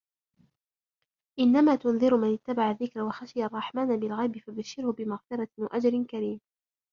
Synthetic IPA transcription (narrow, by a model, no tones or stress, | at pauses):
ʔɪnːamaːt̪ʊnðˤɨɾʊmanɪt̪ːabaʕaðːɪkɾawaxaʃɪjarˤːɑħmaːnabɪlɣajbɪfabaʃːɪɾhʊbɪmaɣfɪɾˤɑwa̰ʔad͡ʒɾɪnkaɾiːm